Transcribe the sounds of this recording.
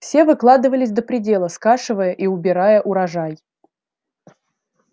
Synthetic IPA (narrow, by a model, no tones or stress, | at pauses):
fsʲe̞vɨklˠad̪ɨvəlʲɪsʲd̪əpɾʲɪdʲe̞lˠəskaʂɨvəjəʔiʊbʲɪɾajəʔʊɾɐʐaj